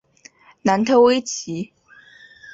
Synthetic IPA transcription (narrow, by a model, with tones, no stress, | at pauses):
na˧˥nt̪ʰɤ˥we˥ɪt͡ɕʰi˧˥